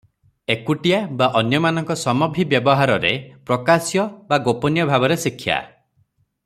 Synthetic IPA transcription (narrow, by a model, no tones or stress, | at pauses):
ekuʈijabaʔɔnjɔmanɔŋkɔsɔmɔbʱibjɔbɔɦaɾɔɾepɾɔkasjɔbaɡopɔnjɔbʱabɔɾesikʰːja̰